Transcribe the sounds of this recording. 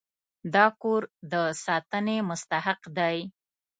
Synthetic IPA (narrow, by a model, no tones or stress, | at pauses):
d̪ɑkoɾd̪əsɑt̪ənemʊst̪aɦaqd̪aj